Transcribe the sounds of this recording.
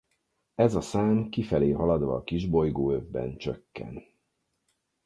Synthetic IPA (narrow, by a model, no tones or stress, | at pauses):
ɛzɒsaːmkifɛleːɦɒlɒd̪ʋɒːkiʒbo̞jɡoːøvbɛ̰nt͡ʃøkːɛ̰n